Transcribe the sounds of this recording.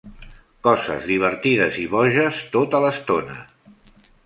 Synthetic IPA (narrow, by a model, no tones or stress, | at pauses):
kɔzə̰zðiβ̞əɾt̪iðəziβɔʒəst̪ot̪ələst̪onə̰